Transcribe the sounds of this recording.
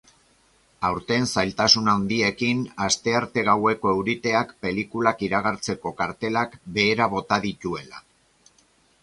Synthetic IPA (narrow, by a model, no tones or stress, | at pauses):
awɾt̪e̞nsajlt̪asunand̪ie̞kinast̪e̞aɾt̪e̞ɣ̞awe̞ko̞ewɾit̪e̞akpe̞likulakiɾaɣaɾt͡se̞ko̞kaɾt̪e̞lakbe̞ːɾaβo̞t̪aðit̪ue̞la̰